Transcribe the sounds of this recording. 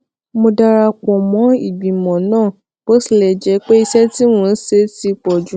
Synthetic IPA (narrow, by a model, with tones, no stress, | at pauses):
mo˧da˦˧ɾa˧kɔ˨mɔ̃˨˦i˦˨ɡ͡bĩ˨mɔ̃˨nãː˦˨ | b̥o˦si˨lɛ˨d͡ʒɛ˨˧˦k͡pe˦i˧sɛ˦ti˦mũ˧n̩˦se˧˦ti˧˦k͡pɔ˨d͡ʒũ˨˦